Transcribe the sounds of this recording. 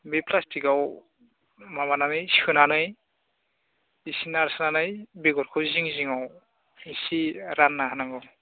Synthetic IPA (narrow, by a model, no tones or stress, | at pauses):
bepʰlastʰikaw | mamananɯjskɯnanɯj | isinaɾsnanɯjbeɡɔɾkʰɯwziŋziŋaw | isiɾanːaɦanaŋɡɯw